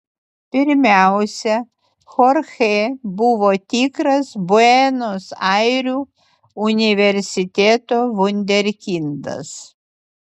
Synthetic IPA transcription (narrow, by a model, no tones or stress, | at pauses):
pʲɪɾʲmʲæˑʊsʲɛ | xɔɾxebʊʋoːt̪ʲiːkɾɐsbʊɛnosɐɪɾʲuː | ʊnʲɪʋʲɛɾʲsʲɪt̪ʲeːt̪oːʋʊnʲd̪ʲɛɾʲkʲɪnd̪ɐ̰s